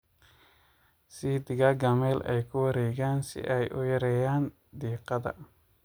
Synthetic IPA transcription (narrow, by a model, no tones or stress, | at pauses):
sid̪ɪɣɐɡɐmɛlɛ̰jkʰʊwɐɾɛːɣaːnsɪ̰ʔɛjʔʊjɐɾɛjaːn | d̪iːqɑðɐ̰